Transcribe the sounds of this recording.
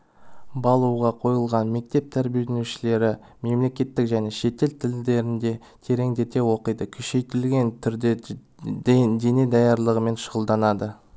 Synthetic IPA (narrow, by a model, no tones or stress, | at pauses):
bɑlˠuʁɑqʰo̞jəlˠʁɑnme̞k̚t̪e̞p̚t̪ʰæɾbijeenuʃɪle̞ɾɪ | me̞mle̞kʲe̞t̪ːɪkʒæne̞ʃe̞t̪e̞lt̪ʰɪld̪e̞ɾɪnd̪e̞ | t̪ʰe̞ɾe̞ŋd̪e̞t̪e̞wo̞qəjd̪əkʲʰʏ̥ʃe̞jt̪ɪlɡʲe̞nt̪ʰʏɾd̪e | d̪e̞ne̞d̪ɑjɑɾlˠəʁəme̞nʃəʁəlˠd̪ɑnɑd̪ə